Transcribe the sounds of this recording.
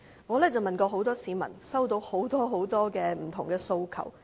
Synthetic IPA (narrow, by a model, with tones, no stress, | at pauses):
ŋɔː˨˧lɛː˥t͡sɐ˨wmɐ˨nkɔː˧ɦo˨˥wt̪ɔː˥siː˨˥mɐ̰˨˩nsɐ˥wt̪o˧who˨˥wt̪ɔː˥ɦo˨˥wt̪ɔː˥kɛː˧m̩˨˩t̪ʰʊ˨˩ŋkɛː˧so˧wkʰɐ̰˨˩w